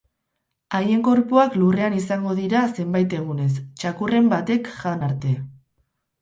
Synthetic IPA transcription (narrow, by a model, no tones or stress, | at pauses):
aje̞ŋɡo̞ɾpuaklure̞anisaŋɡo̞ðiɾase̞mbajt̪e̞ɣ̞une̞st͡ʃakure̞mbat̪e̞kʝanaɾt̪e̞